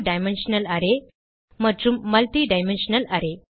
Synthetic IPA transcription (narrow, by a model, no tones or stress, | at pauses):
ɖajmenɕnəlaɾe | mət̪ɾumːəlʈ̪iɖajmenɕənəlaɾe